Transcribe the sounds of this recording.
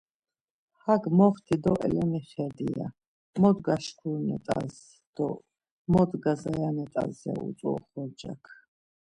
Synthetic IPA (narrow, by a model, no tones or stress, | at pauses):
haɡmɔχt̪ʰid̪ɔʔɛ̰lɛniχɛd̪ija̰ | mɔd̪ɡaʃkʰulnɛ̰t̪ʼaz | d̪̥ɔ | mɔd̪ɡazajanɛt̪ʼazaṵt͡sʼɔχɔɾd͡ʒakʰ